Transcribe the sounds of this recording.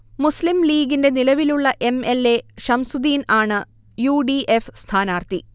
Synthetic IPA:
muslimliːɡinde̞nilɐʋiluɭːɐʔe̞me̞le̞ʂɐmsud̪iːnaːɳɨ | juːɖiʔefst̪ʰaːnaːrt̪i

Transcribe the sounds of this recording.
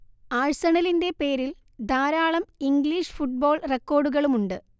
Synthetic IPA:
aːɻsɐɳɐlinde̞pe̞ːɾil | d̪ʱaːɾaːɭɐmiŋɡliːʂfuʈ̚bo̞ːɭrekːo̞ːɖuɣɐɭumuɳɖɨ

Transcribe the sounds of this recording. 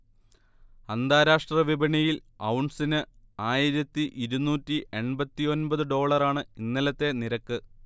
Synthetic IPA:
ɐnd̪ʱaːɾaːʂʈrɐʋibɐɳijilɐwɳsinɨaːjiɾɐt̪ːiʔiɾunuːtːiʔe̞ɳbɐt̪ːio̞nbɐðɨɖo̞ːɭɐraːɳɨinːɐlɐt̪ːe̞niɾɐkːɨ

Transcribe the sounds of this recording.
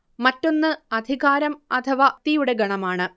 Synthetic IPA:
mɐtːo̞nːɨɐd̪ʱiɣaːɾɐmɐt̪ʰɐʋat̪ijuɽe̞ɡɐɳɐmaːɳɨ

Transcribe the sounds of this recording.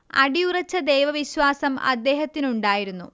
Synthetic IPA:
ɐ̰ɽijurɐt͡ɕːɐd̪ejʋɐʋiɕwaːsɐmɐ̰d̪ːe̞ːɦɐt̪ːinuɳɖaːjiɾunːu

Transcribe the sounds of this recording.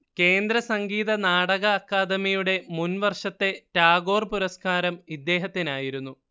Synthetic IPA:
ke̞ːnd̪ɾɐsɐŋɡiːðɐnaːɽɐɣɐːkːaːd̪ɐmijuɽe̞munʋɐrʂɐt̪ːe̞taːɣo̞ːrpuɾɐskaːɾɐmid̪ːe̞ːɦɐt̪ːinaːjiɾunːu

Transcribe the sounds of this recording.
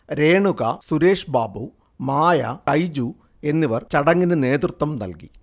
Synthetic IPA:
ɾe̞ːɳuɣɐsuɾe̞ːʂbaːbu | maːjɐkɐjd͡ʑu | e̞nːiʋɐrt͡ɕɐɽɐŋːinɨne̞ːd̪rɨt̪ʋɐmnɐ̰lkḭ

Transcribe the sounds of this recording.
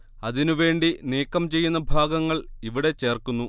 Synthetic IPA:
ɐðinuʋe̞ːɳɖiniːkːɐmt͡ɕe̞jːunːɐbʱaːɡɐŋːɐɭiʋiɽe̞t͡ɕe̞ːrkunːu

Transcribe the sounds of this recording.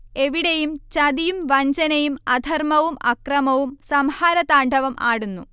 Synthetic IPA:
e̞ʋiɽejumt͡ɕɐd̪ijumʋɐɲd͡ʑɐnɐjumɐd̪ʱɐrmɐʋumʔɐkrɐmɐʋumsɐmhaːɾɐt̪aːɳɖʱɐʋɐmʔa̰ːɽunːu

